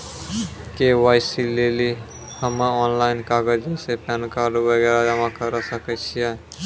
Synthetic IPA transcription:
kewajsileli | həməɔnlainkaɡəd͡ʒesepankaɾubəɡɛɾad͡ʒamãkəɾəsəkət͡ʃʰijɛ

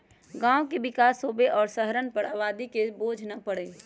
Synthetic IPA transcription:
ɡãːwkebɪkaːsːoːbeʔɔːɾsəɦəɾənpəɾaːbaːd̪ikeboːd͡ʒʱnapəɽeː

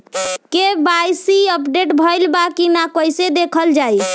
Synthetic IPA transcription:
kebajsiəpɖeʈbʱəjlbakinakojsed̪ekʰəld͡ʒaj

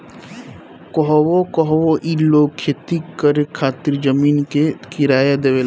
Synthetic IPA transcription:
kɔɦwokɔɦwoʔiloːkʰjet̪ikːəɾekʰaːt̪iɾd͡ʒəmiːnkekɪɾaːjad̪eʋeːl

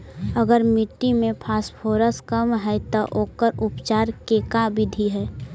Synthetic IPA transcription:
əɡəɾmɪʈːimẽpʰaːspʰoːɾəskəmɦɛt̪ɔʔoːkəɾʊpt͡ʃaːɾkekabɪd̪ʱiɦɛ

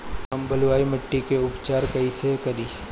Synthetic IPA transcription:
ɦɐmbʱɐlʋaːimɐʈːikeʊpt͡ʃaːɾkɐisekɐɾiː

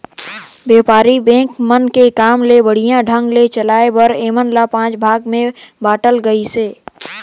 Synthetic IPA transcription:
beːpaːɾibẽːkmənkekaːmlebəɽ̤ijãɖʱə̃ŋɡlet͡ʃəlaːebəɾeːmənlapãːt͡ʃbʱaːɡmẽbaːʈəlɡəiseː

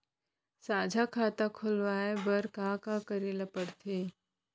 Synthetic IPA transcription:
saːd͡ʒʱakʰat̪akʰolʋaːebəɾkakãkəɾilapəɽt̪ʰeː

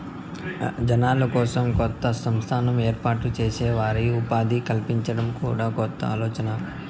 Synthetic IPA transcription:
d͡ʒɐnaːlɐkɔːsɐmkɔt̪ːɐsɐmst̪ʰaːnɐmeːɾpaːʈut͡ʃeːsɛːʋaːɾiupaːd̪ikɐlpiɲt͡ʃɐɽɐmkṵːɽaːkɔt̪ːɐ̰aːlɔːt͡ʃɐnɐ

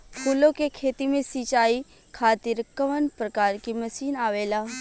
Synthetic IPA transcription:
pʰuːlõkekʰeːt̪imẽsit͡ʃaːi | kʰaːt̪ɪɾkɐʋənpɾəkaːɾkimɐsiːnaːʋeːlaː

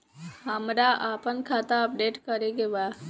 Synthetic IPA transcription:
hamɾaʔapəɳkʰat̪aəp̚ɖeʈkəɾeɡeʋa

